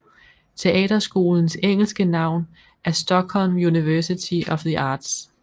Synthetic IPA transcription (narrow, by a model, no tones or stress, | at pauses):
t͡sʰe̝ʔɛ̰ːd̥ɐsɡ̥o̝ːln̩seŋ̰l̩sɡ̥ənɑ̈ʊ̰n | æɐsd̥ɒ̽ɡ̥hɒ̽lmjuniʋæɐsit͡sʰiɒ̽fðiʔɑ̈ːd̥s